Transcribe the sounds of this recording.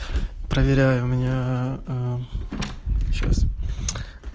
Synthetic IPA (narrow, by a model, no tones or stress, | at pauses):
pɾəvʲɪɾʲæjʊmʲnʲa | ɕa̰s